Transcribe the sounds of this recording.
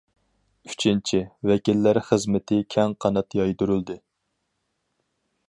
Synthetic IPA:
y̥t͡ʃʰint͡ʃʰivɛkʲilːæɾχəzmɪt̪ʰɪkʲʰɛŋqʰɑnɑt̪jɑjd̪uɾyld̪ɨ

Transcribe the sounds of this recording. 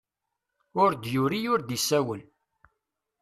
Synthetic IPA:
ʊɾd̪jʊɾijʊɾd̪isæwəl

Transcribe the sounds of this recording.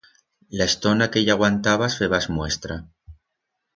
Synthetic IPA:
laest̪o̞nakeʝaɣwant̪aβasfeβazmwe̞st̪ɾa

